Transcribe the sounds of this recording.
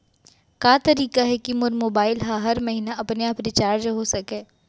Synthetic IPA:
kaːt̪ɐɾiːkaɦɛkimʊɾmoːbaːɪlɦãɦɐɾmɐɦiːnaʔɐpneapɾɪt͡ʃaːɾd͡ʒɦosɐkẽː

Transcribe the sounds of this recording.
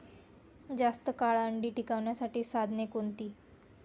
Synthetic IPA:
d͡zast̪əkaɭəɳɖiːʈikaʋɳjasaʈiːsad̪ʱnekont̪iː

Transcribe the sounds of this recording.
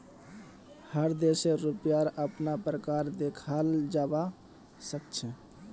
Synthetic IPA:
həɾd̪eseɾupjaɾəpnapɾəkaɾd̪ekʰald͡ʒaba | səkt͡ʃʰɛ

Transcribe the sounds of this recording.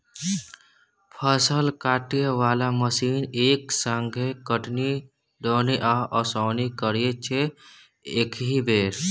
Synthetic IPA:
pʰəsəlkaːʈieʋaːlaməsiːneːksəŋɡʱekəʈni | ɖoːniʔaʔɔsɔːnikəɾijet͡ʃʰe | eːkʰɦibeːɾ

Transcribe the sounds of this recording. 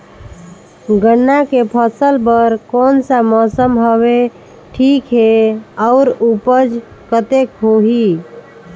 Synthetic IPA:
ɡənːakepʰəsəlpəɾkɔːnsamɔsəmɦəʋe | ʈʰikɦeɔʊɾupəd͡ʒ | kət̪ekɦoɦi

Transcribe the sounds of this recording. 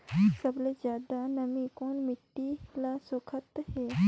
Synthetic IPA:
səbled͡ʒjaːd̪anəmĩkoːnmɪʈːilasʊkʰət̪ɦe

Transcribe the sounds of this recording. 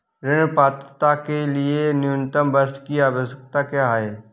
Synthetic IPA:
ɾɪnpaːt̪ət̪akelɪenɪʊnt̪əmbəɾskiaːʋəsək̚t̪akjaɦeː

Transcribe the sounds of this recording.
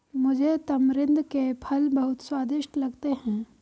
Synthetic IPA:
mʊd͡ʒʱet̪ɐmɾɪ̃nd̪ʱkepʰɐlbɐɦʊt̪swaːd̪ɪʃʈlɐɡt̪eɦɛ̃ː

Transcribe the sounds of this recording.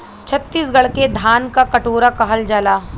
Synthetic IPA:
t͡ʃʰɐt̪ːiːsɡɐɭked̪ʱaːnkakɐʈoːɾakɐɦəld͡ʒaːlaː

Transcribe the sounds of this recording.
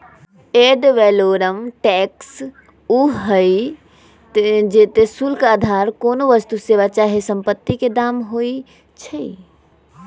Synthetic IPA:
eːɖʋɛːloːɾəmʈɛːks | uɦəi | d͡ʒeːt̪esulkaːd̪ʱaːɾkoːnoʋəst̪useːʋat͡ʃaːɦesə̃mpət̪ːiked̪aːmɦoːi | t͡ʃʰəi

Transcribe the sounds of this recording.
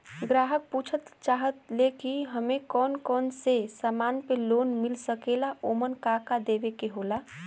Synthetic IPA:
ɡɾaːɦək̚puːt͡ʃʰət̪t͡ʃaːɦət̪lekiɦəmekɔːnkɔːnsesaːmaːnpeloːnmɪlsəkelaʔomənkakad̪eːbekeɦoːla

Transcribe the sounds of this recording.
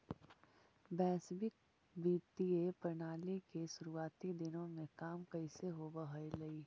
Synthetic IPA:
bɛːsbɪk̚ | biːt̪iepɾnaːlikeʃʊɾuaːt̪id̪ɪnõmẽkaːmkɐɪseɦobəɦəelɐiː

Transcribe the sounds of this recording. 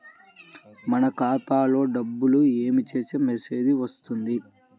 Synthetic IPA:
mɐnɐkaːt̪aːlo̞ːɖɐbːulue̞ːmit͡ʃe̞ːsemese̞ːd͡ʒ̪iʋɐst̪und̪i

